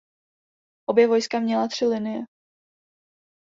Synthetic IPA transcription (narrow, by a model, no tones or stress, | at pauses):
ʔo̞bjɛvo̞jskamɲɛlat̪r̥ɪlɪnɪjɛ